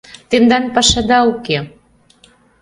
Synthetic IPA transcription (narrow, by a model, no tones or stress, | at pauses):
t̪end̪ɑnpɑʃɑd̪ɑoke